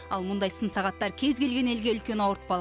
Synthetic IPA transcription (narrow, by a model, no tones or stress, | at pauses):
ɑlˠmʊnd̪ɑjsənsɑʁɑt̪ːɑɾkʲʰe̞zkʲe̞lɡʲe̞ne̞lɡʲe̞ʏlkʲe̞nɑwɾət̪̚bɑlˠ